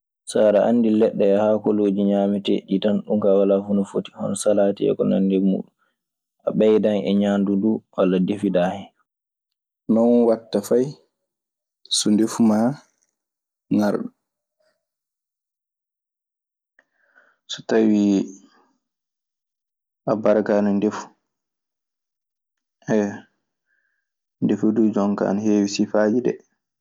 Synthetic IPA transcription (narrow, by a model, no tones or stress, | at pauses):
saːɾaʔa̰nːdilɛɗːɛːhaːkɔloːd͡ʒiɲaːmitɛ̰ɗitanɗumkawalafunɔfoti̥hɔnɔsalaːtiɛ̰kɔna̰ndɛmṵːɗum | ʔa̰ɓɛjdanɛɲandunduwalːadefidahɛ | nɔnwatːafaj | sundefuma | ŋaɾɗɔ | su̥tawi | ʔabaɾakanundefu̥ | ɛ | ndefudud͡ʒɔŋka̰ːnheːwisifaːd͡ʒidɛ̰